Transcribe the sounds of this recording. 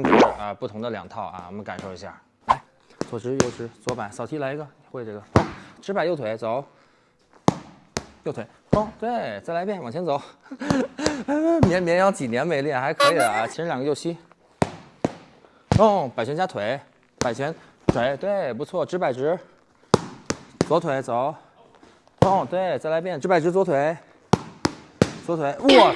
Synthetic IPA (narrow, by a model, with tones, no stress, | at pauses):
i˥ʈ͡ʂ̩˧˥˩ə˧pu˥˩t̪ʰʊ˧˥ŋd̪ə˧ljɑ̰˨˩ŋt̪ʰɑ˥˩ʊa̰˧˩wɔ̰˨˩mə˦nka˨˩nʂo˥˩ʊi˧˥ɕja̰˥˩ | a˧˥˩ɪ | t͡swɔ˨˩ʈ͡ʂɻ̩˧˥jo˥˩ʊʈ͡ʂɻ̩˧˥t͡swɔ˧˥pa˨˧˥ɪsɑ˨˩ʊt͡ɕʰi˥la˧˥ɪi˧˥ɡə˧i˨˩xwe˥˧ɪʈ͡ʂɤ˥˩ɡə˩fɑ˥˩ŋʈ͡ʂɻ̩˧˥pa˨˧ɪjo˥˩ʊt̪ʰe˧˥ɪt͡so˨˧˦ʊ | jo˥˧ʊt̪ʰwe˧˥ɪo˥˩ŋt̪we˥˩ɪt͡sa˥˩ɪla˧˥pʰjɛ˥˩nwɑ˨˩ŋt͡ɕʰjɛ˥nt͡so˨˩˦ʊ | a˥˧˥mjɛ˧˥nmjɛ˧˥njɑ˥˩ʊt͡ɕi˨˩njɛ˧˥nme˨˩ɪlɛ˥˩xa˧˥ɪkʰɤ˧˥i˨˩a˧t͡ɕʰi˧˥ʂɻ̩˧ljɑ˨˩ɡə˧jo˥˩ʊt͡ɕʰi˥ | ʊ˥˩pa˨˩ɪt͡ɕɥɛ˧˥nt͡ɕja˥t̪ʰwe˧˥ɪ | pa˨˩ɪt͡ɕʰɥɛ˧˥n˥ | t̪ʰwe˧˥ɪt̪we˥˩ɪpu˧˥t͡sʰwɔ˥˩ʈ͡ʂɻ̩˥pa˨˩ɪʈ͡ʂɻ̩˧˥ | t͡swɔ˧˥t̪ʰwe˧˥ɪt͡so˨˧˥ʊ | ʊ˥˩ŋt̪we˥˩ɪt͡sa˥˩ɪla˧˥ɪpjnʈ͡ʂɻ̩˥pa˨˩ɪʈ͡ʂɻ̩˧˥t͡swɔ˧˥t̪ʰwe˧˥ɪ | t͡swɔ˧˥t̪ʰwe˧˥ɪwɔ˥˩